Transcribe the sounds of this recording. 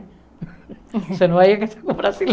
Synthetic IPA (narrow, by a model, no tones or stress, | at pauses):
senoajaket̪akombɾasil